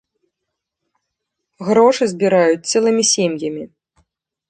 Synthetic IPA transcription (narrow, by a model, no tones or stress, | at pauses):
ɣɾɔʂɨzʲbʲiɾajut͡sʲt̪sɛlˠɨmʲisʲemjɐmʲi